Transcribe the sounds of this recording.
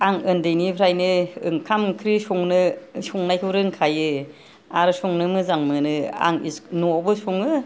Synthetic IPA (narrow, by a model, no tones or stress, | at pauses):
aŋɯndejnipʰɾajnɯɯ̰ŋkʰamkʰɾisuŋnɯsuŋnajkʰɯwɾɯŋkʰajɯ | aɾɯsuŋnɯmɯzaŋmɯnɯa̰ŋḭsnɔbɯsuŋɯ